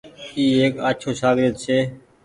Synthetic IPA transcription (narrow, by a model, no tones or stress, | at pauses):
iːeːkəːt͡ʃʰoːsaːɡɾɪəd̪̚t͡ʃʰeː